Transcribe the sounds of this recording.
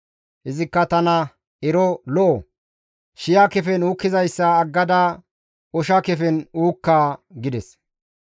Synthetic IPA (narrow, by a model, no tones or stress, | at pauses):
hɪzɪkːɐt̪ɐnɐ | ɛɾɔlɔʔɔ | ʃɪjakɛfɛnuːkːɪzɐjsːɐːɡːɐd̪ɐ | ɔʃɐkɛfɛnuːkːaːɡɪd̪ɛs